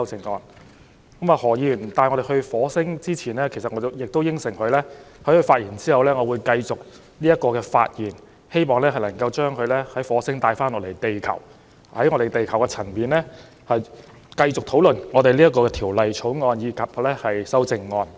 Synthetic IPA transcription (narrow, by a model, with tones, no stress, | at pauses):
sɐ˥wt͡sɪ˨ŋːɔː˧n | kɐ˨˥maː˧hɔː˨˩jiː˧y˨˩t̪aː˨˧jŋɔ˨˧ɾe˨hɵ˧ɥfɔː˨˥sɪ˥ŋt͡siː˥t͡sʰiː˨˩nlɛː˥kʰe˨˩sɐ˨t̚ŋɔː˨˧t͡sjɪ˨k̚t̪o˥wjɪ˥ŋsɪ˨˩ŋhɵ˧ɥlɛː˥hɐ˨˥jhɵ˧ɥfaː˧t̚jiː˨˩nt͡siː˥hɐ˨wlɛː˥ŋɔː˨˧wu˨˧jkɐ˧jt͡sʊ˨k̚ | liː˥jɐ˥t̚kːɔː˧kɛː˧fa̰ː˧t̚jiː˨˩n | he˥jmɔː˨˩ŋlɛː˥hɐ˨jlɐ˨˩ŋkɐ˧wt͡ʃœː˥ŋkʰɵ˨˧ɥlɛː˥hɐ˨˥jfɔː˨˥sɪ˥ŋt̪aː˧jfaː˥nɔː˧le˨˩jt̪e˨jkʰɐ˨˩w | hɐ˨˥jŋɔ˧ɾe˨˩jt̪e˨jkʰɐ˨˩wkɛ˧t͡sʰɐ˨˩npiː˨nlɛː˥ | hɐ˨j | kɐ˧jt͡sʊ˨k̚t̪ʰo˨˥wlɵ˨nŋɔː˨˧t̪e˨jliː˥jɐ˥tk̬ːɔː˧kɛ˧t̪ʰiː˨˩wlɐ˨jt͡ʃʰo˨˥wŋɔː˧njiː˧kʰɐ˨p̚lɛː˥hɐ˨jsɐ˥wt͡sɪ˨˧ŋːɔː˧n